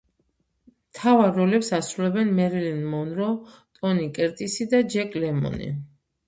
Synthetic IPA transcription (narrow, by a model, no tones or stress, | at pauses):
mt̪ʰavaɾːɔlɛpsasɾulɛbɛnmɛɾilinmɔnɾɔ | t̪ʼɔnikʼɛɾt̪ʼisid̪ad͡ʒɛkʼlɛmɔ̰nḭ